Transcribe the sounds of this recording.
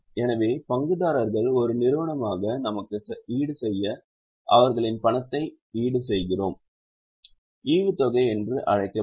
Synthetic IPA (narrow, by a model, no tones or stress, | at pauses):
ɛnɐʋeːpɐŋɡɯðaːɾɐɾɣɐɭɔɾɯnɪɾɯʋɐɳɐmaːɣɐnɐmɐkːɯiːɽɯsɛjːɐ | ʔɐʋɐɾɣɐɭɪnpɐɳɐt̪ːɐɪ | iːɽɯsɛjɣɪroːm | iːʋɯt̪ɔɣɐɪɛndrɯʔɐ̰ɻɐɪkːɐ